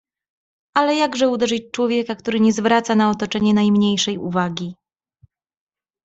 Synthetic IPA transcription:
alɛjaɡʐɛud̪ɛʐɘt͡ɕt͡ʂwɔvʲjɛkak̚t̪uɾɘɲɛzvɾat̪sanaɔt̪ɔt͡ʂɛɲɛnajmɲejʂɛjṵvaɡʲi

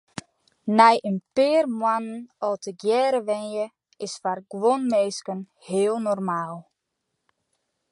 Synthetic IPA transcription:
nɛjʔənpɪːrmwanənɔtʰəɡjɛːɾəʋɛnjə | ɪsfarɡ̥wonmeːskən | hɪːəlˠnɔrmaːlˠ

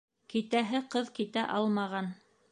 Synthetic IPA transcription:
kit̪æɦɘqɤðkit̪æʔɑlˠmɑʁɑn

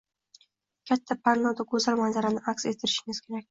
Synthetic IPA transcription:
kʲʰat̪ʰːapʰaɾnɒd̪akʰɵzalmanzaɾanɪʔakse̞t̪ʰːɪɾɪʃɪŋɪz̥kʲʰeɾakʲ

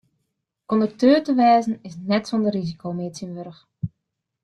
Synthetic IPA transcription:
ondərtøːtəʋɛːzn̩ɪsnɛtsɔndərːizikʰowmeːtsənʋøɾəx

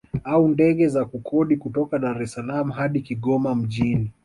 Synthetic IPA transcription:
aundɛɠɛzakukʰɔɗikutɔkaɗaɾɛsalamuɦaɗikiɠɔmam̩ʄini

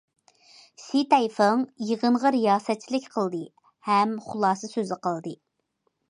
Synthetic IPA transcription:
sit̪ɛjfəŋjəʁənʁɑɾijɑːsɛt̪̚t͡ʃʰilɪkʲqʰəlˠd̪ɨ | hɛmχʊlˠɑːsɨsøzɪqəlˠd̪ɨ

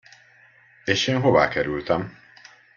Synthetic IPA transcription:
eːʃeːnɦo̞va̰ːkɛɾylt̪ɛm

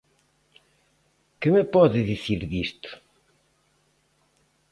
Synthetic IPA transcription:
kɪmɪpɔðɪðiθiɾðist̪ʊ̥

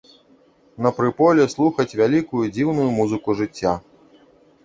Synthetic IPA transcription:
nɐpɾɨpɔlʲɛslˠuxɐt͡sʲvʲalʲikujud͡zʲiwnujumuzɨkuʐɨt͡sʲːa

